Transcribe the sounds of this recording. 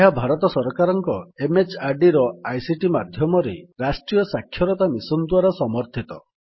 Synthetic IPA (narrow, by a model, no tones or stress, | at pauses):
eɦabʱaɾɔt̪ɔsɔɾɔkaɾɔŋkɔemet͡ʃaɾɖiɾɔajsiʈimad̪ʱjɔmɔɾḛɾasʈɾijɔsakʰːjɔɾɔt̪amisɔnd̪waɾɔsɔmɔɾt̪ʰit̪ɔ